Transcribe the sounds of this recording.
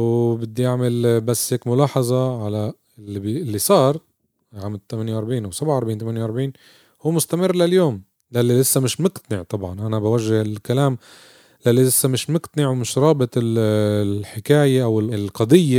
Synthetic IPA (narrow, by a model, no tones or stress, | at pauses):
wbɪd̪ːijaʕmɪlbasːheːkmʊlɑːħɑzˤɑʕala | ɪlːibiɪlːisˤɑːɾˤ | ʕaːmɪlt̪ːamanjawʔɑɾˤbʕiːnʔawsabʕʔɑɾˤbʕiːnt̪amanjwʔɑɾˤbʕiːn | huːmʊst̪amɪrːlaljoːm | lalːilɪsːamɪʃmʊqt̪anɪʕt̪ˤɑbʕɑnʔanabawaʒːɪhɪlkalaːm | lalːilɪsːamɪʃmʊqt̪anɪʕwmɪʃɾˤɑːbɪt̪ˤɪllħɪkaːjaʔawɪllqɑd̪ˤɪjːa